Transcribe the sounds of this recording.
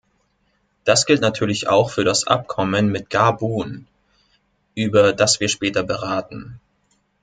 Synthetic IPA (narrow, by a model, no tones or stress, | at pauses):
d̥asɡ̥ɪltnatʰyːɐlɪça̰ʊxfyːɐɾasʔa̰p̚kʰɔmənmɪt̚ɡ̥abuːn | ʔyːbɐdasv̥iːɐʃpɛːtɐbəʁaːtn̩